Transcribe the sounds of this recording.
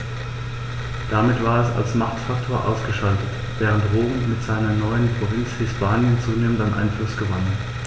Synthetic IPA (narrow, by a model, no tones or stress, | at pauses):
d̥amɪtv̥aːɐɛsa̰lsmaχtfak̚tʰoːɐʔaʊsɡ̥əʃaltət | v̥ɛːʁ̞əntʁoːmːɪtz̥aɪnɐnɔʏənpʁ̥ovɪnt͡shɪspʰaːnjənt͡suːneːməntanʔa̰ɪnflʊsɡ̥əvan